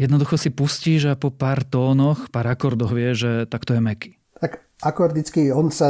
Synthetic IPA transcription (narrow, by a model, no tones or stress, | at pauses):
jɛd̪nɔd̪uxɔsipusciːʒapɔpaːɾt̪ɔːnɔxpaːɾakɔɾd̪ɔɣʋɪɛʒʒɛt̪akt̪ɔjɛmɛki̥ | t̪ak | akɔɾd̪it͡skiɔnsa